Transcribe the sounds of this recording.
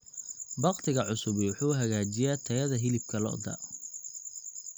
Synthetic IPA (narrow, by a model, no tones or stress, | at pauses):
bɑqt̪ʰɪɣɐʕʊsʊβwʊħuːɦɐɣaːt͡ʃɪjat̪ʰɐjɐðɐɦɪlɪb̚kʰɐlɔ̰ʔd̪ɐ̰